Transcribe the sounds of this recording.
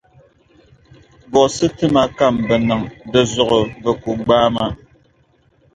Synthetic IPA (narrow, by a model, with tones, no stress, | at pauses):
bɔ˨sɨ˦tɨ˦ma˦ka˦˨mbɛ˨nɨ˨ŋbɛ˨zɔ˨ɣo˨bɛ˨ku˨ɡ͡baː˦ma˦